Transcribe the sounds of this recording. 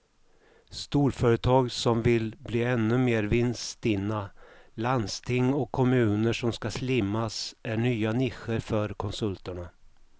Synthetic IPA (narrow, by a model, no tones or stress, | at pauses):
st̪uːɾfœːɾət̪ʰɑːɡsɔmvɪlbliːɛnːɵmeːɾvɪnst̪ɪnːaland̪st̪ʰɪŋːɔkʰːɔmʉ̟ːnəʂɔmskaslɪmːasæɳyːanɪxəɾfœɾkʰɔnsɵlt̪əɳa